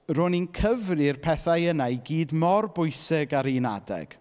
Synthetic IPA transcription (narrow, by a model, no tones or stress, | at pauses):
roninkʰəvrɨrpʰɛθajənajɡiːdmɔrbʊjsɪɡaɾena̰dɛ̰ɡ̥